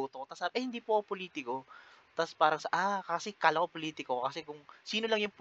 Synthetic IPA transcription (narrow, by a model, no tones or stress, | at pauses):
uːt̪okot̪ɐsaːbʔɐhɪnd̪iːpoʔopoliːt̪ɪko̞t̪ɐspaːɾɐŋsɐʔakasɛkaːlɐkopoliːt̪ɪkokɐsɛkʊŋsiːnolɐŋjʊŋp